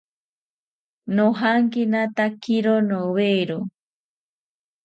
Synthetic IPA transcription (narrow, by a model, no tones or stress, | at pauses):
noɦaŋkinat̪akiɾonoβeɾo